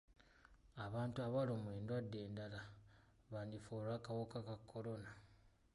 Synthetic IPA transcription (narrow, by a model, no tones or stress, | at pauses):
aβaːntuaβalomweːndwadːeːndala | βaːndifoɾwakawokakakʰːo̞ɾo̞na